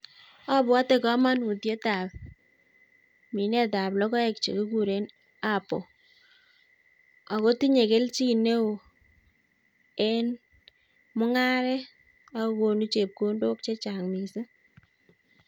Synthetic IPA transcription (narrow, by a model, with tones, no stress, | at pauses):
a˦bwa˦te˨kɔ˦ma˦nu˨tje˦ta˨p̚ | mi˨nɛ˦ta˨plɔ˦kɔ˦ɛ˨k̚t͡ʃḛ˨ke˦ku˦ɾe˦n | a˦˨pɔ˨ | a˨ko˦ti˦ɲe˨ke˦lt͡ʃi˦ne˦o˨ | ɛ˦n | mʊ˦ŋa˦ɾɛ˦ | a˦ko˨nu˦t͡ʃe˨p̚ko˦ndo˦kt͡ʃe˦t͡ʃa˨ŋmi˨se˦